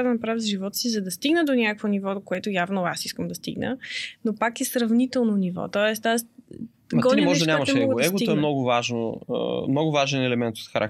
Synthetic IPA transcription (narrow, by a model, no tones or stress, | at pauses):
d̪ɐnɐpɾavizʒivɔt̪ə̥sizɐd̪ɐst̪iɡnəd̪onʲakkvonivɔd̪okoɛt̪ʊjavnoasiskəmd̪ɐst̪ḭɡnə̰nopakɛsɾɐvnit̪ɛlˠnonivɔ̰t̪ɔɛst̪as | ɡɔd̪mɔʒd̪ɐnʲamɐʃmɛɔɡ̪ɛɡot̪oɛmnɔɡʊvaʒno̰mnɔɡʊvaʒɛnɛlɛmɛnt̪o̥t̪xɐɾʔak